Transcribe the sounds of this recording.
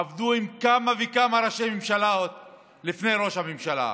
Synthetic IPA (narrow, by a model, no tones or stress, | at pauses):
avd̪uimkamavekamaɾaʃejmimʃalaot̪̚ | lifne̞jɾo̞ʃhamimʃala̰